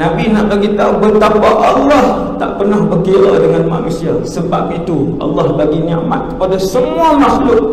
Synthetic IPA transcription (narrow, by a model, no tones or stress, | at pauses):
nabinaʔbaɡit̪aubət̪apaʔalːɑh | t̪a̰ʔpərnahbərkiɾa̰dəŋanma̰nusiasəba̰p̚it̪uʔɑ̰lːɑhbaɡiniaʔma̰t̪̚kə̥padasəmuamaslʊk̚